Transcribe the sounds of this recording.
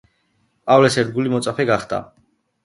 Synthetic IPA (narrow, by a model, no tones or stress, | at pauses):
pʼavlɛsɛɾd̪̚ɡulimɔt̪sʼapʰɛɡaχd̪a̰